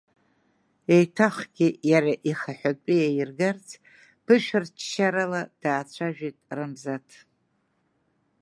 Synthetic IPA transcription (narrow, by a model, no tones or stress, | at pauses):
ejtʰaχɡʲijaɾaʔiχaħʷᶣatʷʼijajɪrɡart͡sʰ | b̥ʰɨʃᶣart͡ʃʰʃaɾalad̥aːt͡ɕʷʰaʒᶣitʼrɨmzatʰ